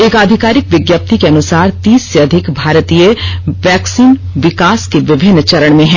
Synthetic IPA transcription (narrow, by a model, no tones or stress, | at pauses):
eːkaːd̪ʱɪkaːɾɪkʋɪɡjəp̚t̪ikeɐnʊsaːɾt̪iːsːeɐd̪ʱɪkbʱaːɾt̪iːjəʋɛːksiːn | ʋɪkaːskeʋɪbʱɪnːt͡ʃɐɾəɽ̃mẽɦɛ̃ː